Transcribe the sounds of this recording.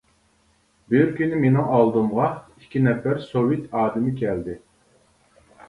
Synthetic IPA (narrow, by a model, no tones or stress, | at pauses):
bɪɾkʲynɪmenɪŋɑlˠd̪ɨmʁɑikʲʰinɛfæɾsowit̪ɑːd̪ɪmɪkʲʰɛld̪ɪ